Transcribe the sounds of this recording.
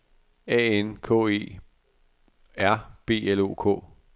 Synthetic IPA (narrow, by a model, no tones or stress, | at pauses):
ɛ̰ːenkʰɔ̰e̝̰ː | æɐ̰b̥e̝̰ːelo̝̰ːkʰɔ̰ː